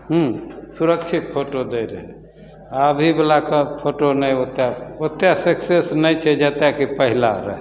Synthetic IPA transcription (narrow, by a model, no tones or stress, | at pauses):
ɦũsuɾək̚t͡ʃʰit̪̚pʰoʈod̪əjɾɛ̰ | əbʱibelakəpʰoʈonəjot̪jaot̪jasəksesnəjt͡ʃʰɛd͡ʒat̪jakipəɦila̰ɾə̰ɦ